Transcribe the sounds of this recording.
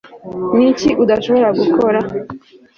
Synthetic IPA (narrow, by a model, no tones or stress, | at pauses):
niciʔudaʃo̞βo̞ɾaɡuko̞ɾa